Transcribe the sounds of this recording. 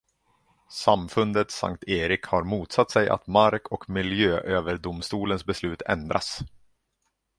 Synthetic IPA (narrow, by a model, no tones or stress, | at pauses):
samfɵnd̪ət̪sa̰ŋkt̪ʰeːɾɪkhaɾmuːt̪sat̪ːsɛjʔa̰t̪maɾkʰɔkmɪljøːʔøːvəɾɖʊmst̪uːlənsbɛslʉ̟ːt̪ʰɛ̰nd̪ɾʔa̰s